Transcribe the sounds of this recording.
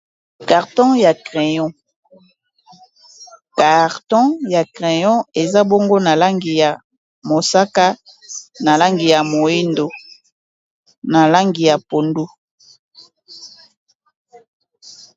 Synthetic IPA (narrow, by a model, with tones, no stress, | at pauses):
ka˨ʁtɔ̃˦ja˨kʁe˨jɔ̃˦ | ka˨ʁtɔ̃˦ja˨kʁe˨jɔ̃˦e˨za˦bo˦ŋɡo˦na˨la˦ŋɡi˨ja˨ | mo˨sa˦ka˦ | na˨la˦ŋɡi˨ja˨mo˨i˦ndo˨ | na˨la˦ŋɡi˨ja˨po˨ndu˦